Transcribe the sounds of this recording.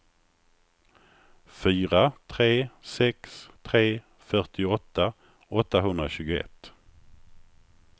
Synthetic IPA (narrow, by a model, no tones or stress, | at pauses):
fyːɾat̪ʰɾeːsɛkst̪ʰɾeː | fœʈɪɔt̪ːa | ɔt̪ːaɦɵnd̪ɾaɕʉ̟ːɡʊɛ̰t̪ː